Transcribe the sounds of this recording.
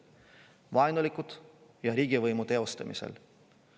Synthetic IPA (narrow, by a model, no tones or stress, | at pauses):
vɑjnulikˑud̪̥jɑɾiːɡ̥ivɤjmut̪e̞o̞st̪ɑmḭsḛl